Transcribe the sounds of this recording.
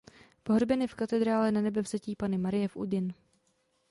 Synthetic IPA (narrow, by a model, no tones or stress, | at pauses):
poɦɾobɛnɪfkat̪ɛd̪ɾaːlɛnanɛbɛvz̥aciːpanɪmaɾɪjɛfʔṵdɪn